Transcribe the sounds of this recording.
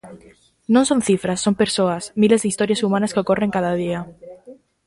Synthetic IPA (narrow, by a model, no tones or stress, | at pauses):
nõnsõn̟θifɾasːompeɾsoasmilezðeist̪oɾjasumãnaskeokoreŋkaðaðia